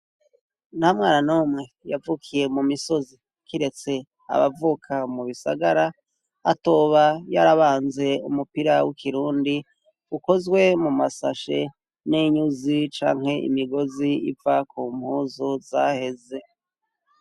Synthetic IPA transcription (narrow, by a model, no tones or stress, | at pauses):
nhamŋaːɾanoːmŋe̞javukʰije̞mumiso̞zi | kiɾe̞t͡se̞ | a̰βa̰vuːkʰamuβisa̰ɡaɾa̰ː | toːβajaɾaβaːnze̞ṵmupiɾawikʰiɾuːndi | uko̞zɡwe̞mumasa̰ʃe̞̰ | niɲuzit͡ʃa̰ːŋɦe̞ʔḭmiɡo̞ziḭvakuːm̥huːzozahe̞ze̞